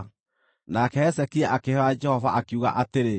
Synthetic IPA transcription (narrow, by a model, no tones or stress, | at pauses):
nakɛɛsɛkiɛʔakehɔad͡ʒɛhɔvaʔakiuɣa̰ʔateɾe